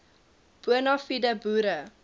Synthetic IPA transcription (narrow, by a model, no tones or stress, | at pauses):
b̥uənɑfidəbuɾə